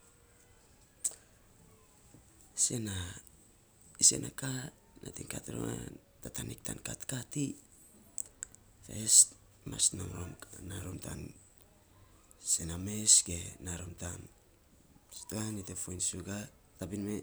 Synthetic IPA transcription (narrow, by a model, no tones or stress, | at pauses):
se̞na | ise̞̰nʔaka | natiŋkatɾo̰an | tatanik̚tʰankatkati | fes | ma̰snoŋɾomnaɾomta̰n | se̞name̞sɡenaɾomtam | stuanitefojnsuɡa | tabinme